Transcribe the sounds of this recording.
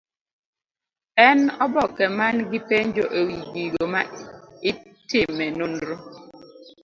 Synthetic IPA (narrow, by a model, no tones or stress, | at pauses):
ɛnɔbɔkɛmanɡɪpeɲd͡ʒoʔewiɡiɡomaɪ | tɪmɛnonɾo